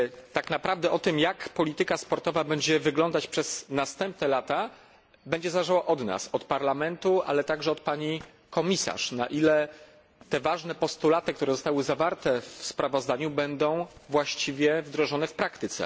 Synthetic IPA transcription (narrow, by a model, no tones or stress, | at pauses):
t̪aknapɾavd̪ɛʔɔt̪ɘmjakpɔlʲit̪ɘkaspɔɾt̪ɔvabɛɲd͡ʑɛvɘɡlɔnd̪at͡ɕpʂɛz̥nast̪ɛmp̚nɛlat̪a | bɛɲd͡ʑɛzalɛʐawaʔɔd̪na̰sɔt̪paɾlamɛnt̪uʔa̰lɛt̪aɡʐɛɔt̪̚paɲi | kɔmʲisa̰ʂna̰ʔilɛ | t̪ɛvaʐnɛpɔst̪ulat̪ɘk̚t̪uɾɛzɔst̪awɘzavaɾt̪ɛfspɾavɔzd̪aɲubɛnd̪ɔ̃w̃vwaɕt͡ɕivʲjɛvd̪ɾɔʐɔnɛfpɾakt̪ɘt̪sɛ̰